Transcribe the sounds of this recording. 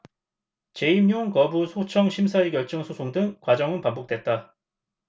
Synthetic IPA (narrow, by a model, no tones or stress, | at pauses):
t͡ɕe̞imjoŋkʌbusʰot͡ɕʰʌŋɕʰimsʰaikjʌɭt͡ɕ͈ʌŋsʰosʰoŋdɯŋkwad͡ʑʌŋɯnpambok̚t͈we̞t̚t͈a